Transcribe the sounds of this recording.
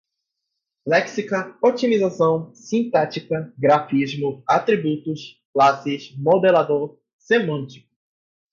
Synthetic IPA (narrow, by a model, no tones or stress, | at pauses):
lɛksikɐot͡ʃimizasɐ̃w̃sĩnt̪ɛt͡ʃikɐɡɾafizmʊat̪ɾibut̪ʊsklasɪzmod̪elad̪oɾ | semɐ̃nt͡ʃi̥kʊ